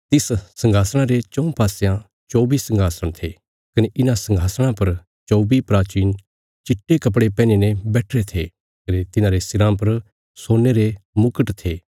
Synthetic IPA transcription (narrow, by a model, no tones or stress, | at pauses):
t̪ɪssɐ̃ŋɡʱaːsɽ̃ãɾet͡ʃɔ̃ũpaːsejã | t͡ʃoːbisɐ̃ŋɡʱaːsəɽ̃t̪ʰe | kɐneʔɪnãsɐ̃ŋɡʱaːsəɽ̃ãpɐɾ | t͡ʃoːbipɾaːt͡ʃiːn | t͡ʃɪʈːekɐp̬ɽepɛːnenɛ̃bɛːʈʰɾet̪ʰe | kɐnet̪ɪnãɾesɪɾãːpɐɾ | soːnːeɾemʊkəʈt̪ʰeː